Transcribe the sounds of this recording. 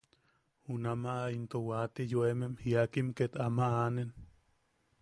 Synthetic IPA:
hunamaʔaint̪owat̪ijoememhiakimket̪amaʔanen

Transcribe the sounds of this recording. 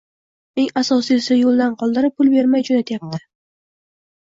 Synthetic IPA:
e̞ŋasɒsiɪsɪjolˠd̪anqʰɒlˠd̪ɪɾɪp̚pʰːʊlˠbe̞ɾmajd͡ʒonat̪ʰjap̚t̪ʰɪ̥

